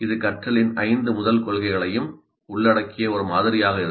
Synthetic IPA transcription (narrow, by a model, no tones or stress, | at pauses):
ɪðɯkɐʈrɐɭɪnɐɪnd̪ɯmʊðɐlkɔɭɣɐɪɣɐɭɐjɯm | ʊɭːɐɽɐkːɪjɐɔɾɯmaːðɪɾɪjaːɣɐɪɾ